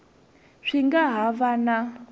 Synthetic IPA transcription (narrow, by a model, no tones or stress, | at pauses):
ʂiŋɡaɦavana